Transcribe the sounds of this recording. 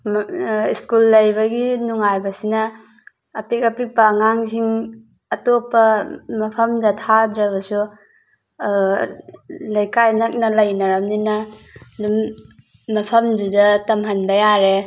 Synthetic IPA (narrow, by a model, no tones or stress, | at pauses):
iskulːɐjbɐɡinuŋajbɐsinɐː | pek̚apipaŋaŋziŋ | ɐtopːɐmɐpʰɐmdɐtʰadɾɐβɐsu | lɐjkajnɐk̚nɐlɐjnɐɾɐmninɐ | dumː | ɐpʰɐmdudɐtɐmɦɐnbɐjaɾe